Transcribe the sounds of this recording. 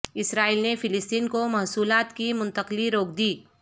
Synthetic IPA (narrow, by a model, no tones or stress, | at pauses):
ɪsɾaːilnefɪlɪst̪iːnkomɐɦsuːlaːt̪kimʊ̃nt̪əqliɾoːkʰd̪iː